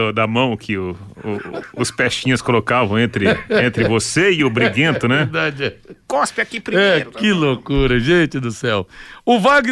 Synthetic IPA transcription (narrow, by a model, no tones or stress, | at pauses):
ʊd̪ɐmɐ̃w̃kʰɪʊː | spɛʃĩɲʊskolokavɐ̃w̃ẽnt̪ɾɪẽnt̪ɾɪvoseɪʊbɾiɡẽt̪ʊnɛd̪ad͡ʒɛkɔspɪakipɾimɛeɾʊkɪlokuɾɐʒẽt͡ʃɪd̪ʊsɛwʊvaɡ